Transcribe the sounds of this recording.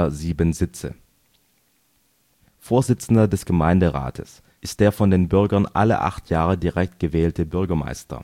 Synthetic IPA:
ɐziːbənzɪt͡sə̰ | foːɐzɪt͡sn̩dɐdɛsɡ̥əmaɪndəʁa̰ːtʰəs | ʔɪst̚d̥eːɐfɔndeːnbʏɐɡɐnʔa̰lə̰ʔa̰χtʰjaːʁədiʁɛk̚t̚ɡ̥əvɛːltʰəbʏɐɡɐma̰ɪstɐ̰

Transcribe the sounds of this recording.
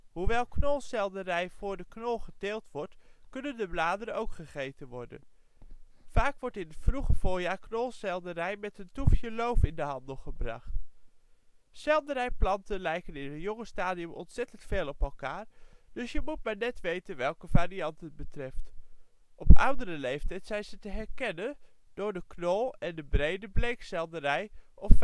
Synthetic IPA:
ɦuʋɛlˠknɔlˠsɛlˠdərɛjvʊːɹdəknɔlˠχəteːlˠtʋɔɹtkɵnəndəblaːdəɾənowkχəχejtənʋɔɹdə̰n | faːkʋɔɹtɪnətfruχəvʊːɹjaːɹknɔlˠsɛlˠdəɾɛjmɛtəntufjəlowfɪndəɦɑndəlˠχəbrɑ̰χt | sɛlˠdəɾɛjplɑntənlɛjkənɪnətjɔŋəstaːdiəmʔɔ̰ntsɛtəntfeːlˠɔpɛlˠkaːɹd̥ɵsjəmut̚maːɹnɛtʋejtənʋɛlˠkəvaːɾiɑntət̚bətrɛft | ʔɔpʌwdərəlejftɛjtsɛjnzətəɦɛɹkɛnən | d̥ʊːɹdəknɔlˠɛndəbrejdəblejksɛlˠdərɛjʔɔf

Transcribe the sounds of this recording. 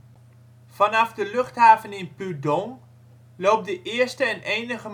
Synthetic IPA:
v̥ɑnɑvdəlɵχtɦaːvənɪnpydɔŋ | lowp̚dəʔɪːɹstəɛnʔejnəχəm

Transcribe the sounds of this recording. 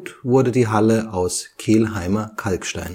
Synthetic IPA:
tv̥ʊɐdədiːɦaləʔaʊskʰeːlɦaɪmɐkʰalkʃta̰ɪn

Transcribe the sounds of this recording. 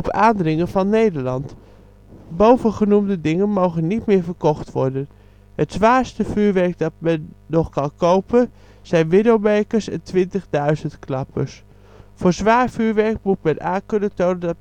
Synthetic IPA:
ɔpaːndrɪŋənvɑnːejdəɹlɑnt | bowvənχənumdədɪŋənmowɣənːitmɪːɹvəɹkɔxtʋɔɹdən | hətsʋaːɹstəfyːɹʋɛɹk̚dɑt̚mɛnːɔxkɑnkowpə | sɛjnʋɪdowbeːkəɹsɛ̰ntʰʋɪntəɣdœɥzəntklɑpʰə̰s | foːɹzʋaːɹfyːɹʋɛɹk̚mut̚mɛnʔaːkønətoːnəndɑ

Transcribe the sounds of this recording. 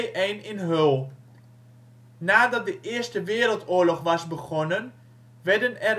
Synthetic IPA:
ʔɛːnɪnɦølˠ | naːdɑt̚dəʔɪəstəʋɪəɾəlˠtoːəɹlɔχʋɑsbəχɔnən | ʋɛdənɛr

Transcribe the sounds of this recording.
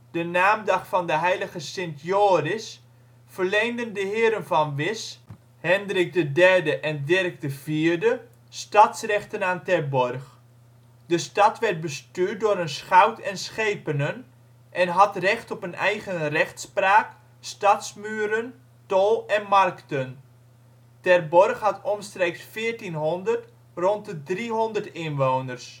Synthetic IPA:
d̥ənaːmdɑχfɑndəɦɛjləɣəsɪntjoːrɪs | fərlejndəndəɦɪːɾənvɑnʋɪs | hɛndrɪk̚dədɛrdəʔɛndɪrk̚dəviːɹdə | stɑtsrɛχtənaːntɛrbɔrχ | dəstɑtʋɛrt̚bəstyːrt̚dʊːɾənsχawtʰɛnsχejpənən | ʔɛnɦɑtrɛχtɔpənɛjχənrɛχtspraːk | stɑtsmyːɾən | tolˠɛnmarktən | tɛrbɔrχhɑtɔmstreːksfɪːəɹtinɦɔndərt | rɔntədriɦɔndərtɪnʋoːwnərs

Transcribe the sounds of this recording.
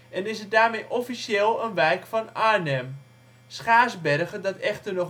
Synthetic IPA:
ʔɛnɪsət̚daːrmejʔɔfiseːlˠənʋɛjkfɔnaːnɛm | sχaːzbɛrɣədɔtɛχtərnɔχ

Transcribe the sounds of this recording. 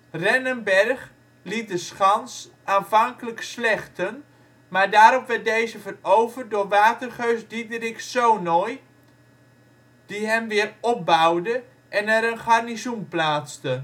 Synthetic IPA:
rɛnənbɛrχ | lit̚dəsχɑns | ʔaːnfɑŋkələkslɛxtən | maːrdaːɾɔpʋɛt̚dejzəvərowvər̚dʊːrʋaːtərχøɥzdidərɪksownɔj | d̥iɦɛmʋɪərɔp̚bawdə | ʔɛnɛɾənχarnizumplaːt͡stə

